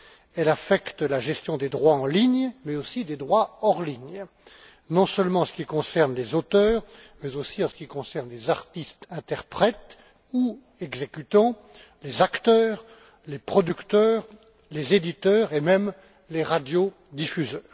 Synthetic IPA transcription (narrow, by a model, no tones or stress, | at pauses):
ɛlafɛkt̪laʒɛst̪jɔ̃d̪ed̪ʁwaɑ̃liɲmɛosid̪ed̪ʁwaɔʁliɲ | nɔ̃sœlmɑ̃ɑ̃sə̥kʲikɔ̃sɛʁnlezot̪œːʁmɛzosiɑ̃sə̥kʲikɔ̃sɛʁnlezaʁt̪ist̪ɛ̃t̪ɛʁpχɛt̪ | u | ɛɡzekʲyt̪ɑ̃ | lezakt̪œːʁ | lepχɔd̪ykt̪œːʁ | lezed̪it̪œːʁemɛm | leʁad̪jo | d̪ifyzœːʁ